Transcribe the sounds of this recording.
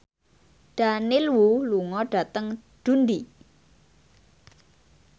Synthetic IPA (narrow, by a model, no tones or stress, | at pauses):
ɖ̥anilwuluŋɔɖ̥ä̤t̪əŋɖ̥ṳnd̪i